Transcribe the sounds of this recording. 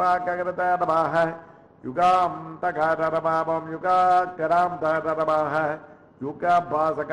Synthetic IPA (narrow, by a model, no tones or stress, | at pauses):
aːkɐkɾɐt̪ɐɾɐbaːɦɐ | juɡaːmt̪ɐkaɾɐɾɐmaːbɐmjuɡaːkɐɾaːmd̪aɾɐɾɐbaːɦɐ | juɡaːbʱaːsɐk